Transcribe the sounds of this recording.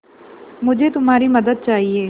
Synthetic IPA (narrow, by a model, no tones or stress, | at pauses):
mʊd͡ʒʱet̪ʊmaːɾimɐd̪əd̪̚t͡ʃaːɦieː